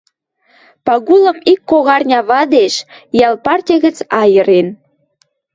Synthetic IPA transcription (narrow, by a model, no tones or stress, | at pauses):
pɑɣulə̆mikːoɣɑrnʲɑβɑd̪eʃjɑlpɑrtʲɑɣə̆t͡sɑjəɾen